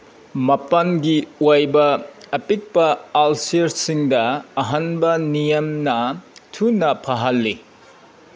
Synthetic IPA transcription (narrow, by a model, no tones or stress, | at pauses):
mɐpɐnɡiwajbɐːpit̚pɐalsiɾsiŋdɐːɦɐnbɐnijɐmnɐtʰunɐpʰɐɦɐlːi